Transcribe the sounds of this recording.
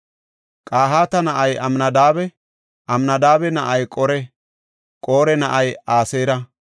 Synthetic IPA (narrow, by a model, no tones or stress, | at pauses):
kʼaːɦaːt̪ɐnɐʔɐjɐmnɐd̪aːbɛ | ʔɐmnɐd̪aːbɛnɐʔɐjkʼɔɾɛ | kʼo̞ːɾɛnɐʔɐjaːseːɾɐ